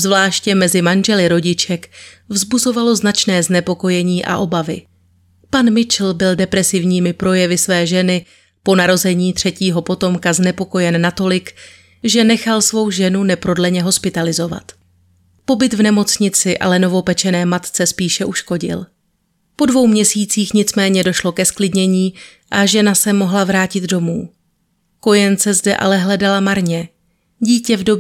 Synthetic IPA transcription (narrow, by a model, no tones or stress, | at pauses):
zvlaːʃcɛmɛzɪmanʒɛlɪɾo̞ɟɪt͡ʃɛkvzbuzo̞valo̞znat͡ʃnɛːznɛpo̞ko̞jɛɲiːʔa̰ʔo̞bavɪ̰ | panmɪt͡ʃl̩bɪldɛpɾɛsɪvɲiːmɪpɾo̞jɛvɪsvɛːʒɛnɪ | po̞naɾo̞zɛɲiːt̪r̥ɛciːɦo̞po̞t̪o̞mkaznɛpo̞ko̞jɛnːat̪o̞lɪk | ʒɛnɛxalsvo̞wʒɛnunɛpɾo̞dlɛɲɛɦo̞spɪt̪alɪzo̞va̰t̪ | po̞bɪt̪vnɛmo̞t͡sɲɪt͡sɪʔa̰lɛno̞vo̞pɛt͡ʃɛnɛːmat̪t͡sɛspiːʃɛʔuʃko̞ɟɪ̰l | po̞dvo̞wmɲɛsiːt͡siːxɲɪt͡smɛːɲɛdo̞ʃlo̞kɛsklɪdɲɛɲiː | ʔaʒɛnasɛmo̞ɦlavɾaːcɪd̪do̞muː | ko̞jɛnt͡sɛzdɛ̰ʔa̰lɛɦlɛdalamaɾɲɛ | ɟiːcɛvdo̞